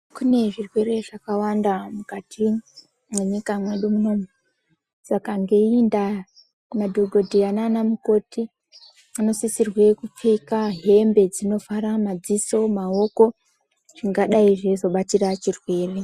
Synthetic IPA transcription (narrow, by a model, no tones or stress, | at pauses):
kune̞ʐirwe̞re̞ʐakawandamukatʰi | mweɲikamwe̞ɗumuno̞mwe | sakaŋɡenda | madʱoɡʱo̞dʱiananamuko̞tʰi | ano̞sisirwe̞kup͡fikaɦe̞mbe̞d͡zino̞faɾamad͡ziso̞mao̞ko̞ | ʐ̥iŋɡaɗaiʐezo̞ɓatirat͡ʃirwe̞ːre̞